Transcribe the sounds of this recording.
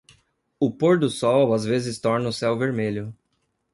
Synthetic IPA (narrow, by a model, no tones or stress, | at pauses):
ʊpoɾd̪ʊsɔwɐzvezɪst̪ɔɾnɐʊsɛwveɾmeʎʊ